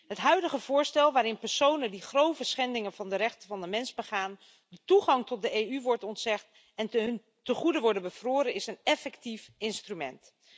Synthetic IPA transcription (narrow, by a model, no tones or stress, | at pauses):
ɦətɦœɥdəχəv̥ʊːɹstɛlˠʋaːɾɪnpɛɹsownəndiχrowvəsχɛndɪŋənvɑndəɾɛχtəvɑndəmɛnzbəχaːn | dətuχɑŋtɔt̚dəejyʋɔɹtɔntsɛχt | ɛnn | təχudəʋɔɹdənbəv̥roːɾənɪsənɛfɛktifɪnstrymɛ̰nt